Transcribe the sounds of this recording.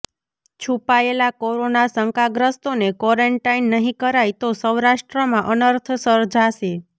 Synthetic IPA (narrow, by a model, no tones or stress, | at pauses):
t͡ʃʰupaelakoɾonasəŋkaɡɾəst̪onekɔɾəɳʈainːəɦĩkəɾajt̪osəwɾaʃʈɾəmãʔənəɾt̪ʰsəɾd͡ʒʱaʃe